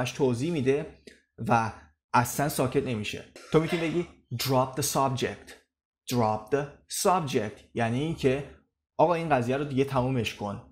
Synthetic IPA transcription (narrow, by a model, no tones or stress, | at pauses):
æʃt̪ʰoːziːmiːd̪e̞ | væ | ʔæslænsɒːcʰe̞t̪ʰne̞miːʃe̞̰t̪ʰomit̪ʰunibeɟiː | d̪ɾɒp̚ʰd̪esɒbd͡ʒek̚t̪ | d̪̥ɾɒp̚d̪esɒb̚d͡ʒek̚t̪ʰjæniːncʰe̞ | ʔɒːɣɒːiːnɢæziːjæɾod̪iɡe̞t̪ʰæmuːme̞ʃkʰo̞n